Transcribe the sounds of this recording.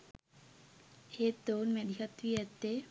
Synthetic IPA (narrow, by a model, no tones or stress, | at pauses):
et̪onmed̪ʱjɐt̪ʋiet̪ːe